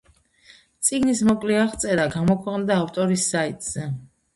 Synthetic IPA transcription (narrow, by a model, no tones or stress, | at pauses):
t̪sʼiɡnismɔkʼlɛaʁt̪sʼɛɾaɡamɔkʰwɛqʼnd̪aːft̪ʼɔɾisːait̪ʼz̥ɛ